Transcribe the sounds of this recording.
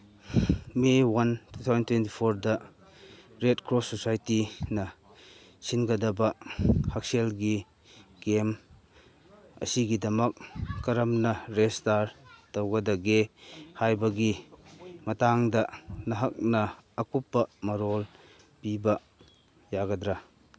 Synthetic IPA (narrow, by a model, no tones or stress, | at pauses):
mewɐntʰut̪ʰawzɐntwent̬ipʰoɾdɐ | ɾet̚kʰɾosːosajtinɐ | sinɡɐdɐbɐhɐk̚selɡi | ɡem | ɐ̰siɡidɐmɐkkɐɾɐmnɐɾestaɾtɐwɡɐdɐɡehajbɐɡi | mɐtaŋdɐnɐɦɐk̚nɐːkupːɐmɐɾɔl | pibɐ | jaɡɐdɾa